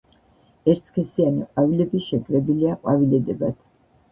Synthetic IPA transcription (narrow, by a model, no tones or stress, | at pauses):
ɛɾt̪sʰkʰɛsianiqʼwavilɛbiʃɛɡɾɛbiliaqʼwavilɛd̪ɛbat̪